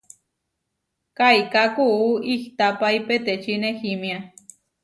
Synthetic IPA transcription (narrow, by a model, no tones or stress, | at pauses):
kajkakuuiht̪apaipet̪et͡ʃinehimja